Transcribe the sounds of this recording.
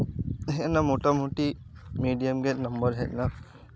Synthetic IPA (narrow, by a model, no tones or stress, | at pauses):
eɦenamuʈɐmɦuʈimiːɖijɐmɡenɐmbəɾɦɛʔna